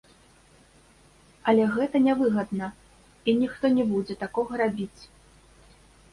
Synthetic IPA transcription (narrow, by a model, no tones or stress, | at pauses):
ɐlʲɛɣɛt̪ɐnʲɛvɨɣɐd̪nɐ | inʲixt̪ɔnʲɛbud͡zʲɛt̪akɔɣɐɾabʲit͡sʲ